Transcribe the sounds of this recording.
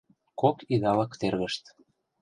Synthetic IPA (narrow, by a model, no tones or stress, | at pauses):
kokiɣɑləkt̪erɣəʃt̪